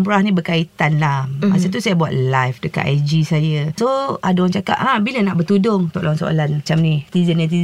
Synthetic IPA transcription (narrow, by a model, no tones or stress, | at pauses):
mpuɾahnĩbəkait̪anlahasət̪usajabua̰t̪̚lajfdəka̰t̪ajd͡ʒisajəsoadaaŋt͡ʃaka̰p̚ʔabilənaʔbət̪udʊŋt̪ɔ̰ʔlaaŋso̰ʔa̰lanmat͡ʃamnit̪izənjat̪iz